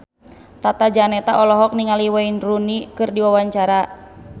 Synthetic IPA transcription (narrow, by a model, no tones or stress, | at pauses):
t̪at̪ad͡ʒanɛt̪aʔɔlɔɦɔk̚niŋaliwainrunikɨrdiwawaɲt͡ʃaɾa